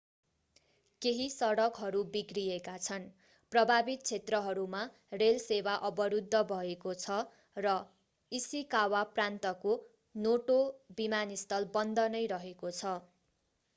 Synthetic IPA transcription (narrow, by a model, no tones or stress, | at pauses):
keɦisʌɽʌkɦʌɾubikrijekat͡sʰʌn | prʌbʱabit̪̚t͡sʰet̪rʌɦʌɾuma | relsewaʔʌbʌɾud̪ʱːʌbʱʌekot͡sʰʌ | rʌ | isikawaprant̪ʌko | noʈobimanist̪ʌlbʌnd̪ʱʌnʌjɾʌɦekot͡sʰʌ